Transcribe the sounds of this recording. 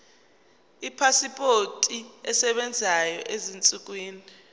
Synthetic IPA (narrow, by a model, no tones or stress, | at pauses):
ipʰasipʼotʼiɛsɛɓɛnd͡zʱajɔʔezint͡sʼuk̬ʼwiːni